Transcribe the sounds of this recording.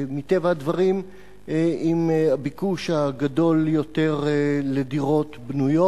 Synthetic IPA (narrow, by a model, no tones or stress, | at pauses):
mit̪e̞vaadvaʁim | imabikuʃhaɡado̞ljo̞teʁlediʁo̞t̪bnujo